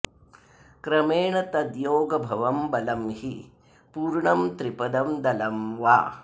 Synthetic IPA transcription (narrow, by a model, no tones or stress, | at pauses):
kɾɐmeːɳɐt̪ɐd̪joːɡɐbʱɐʋɐmbɐlɐmhi | puːɾɳɐmt̪ɾipɐd̪ɐmd̪ɐlɐmʋa̰ː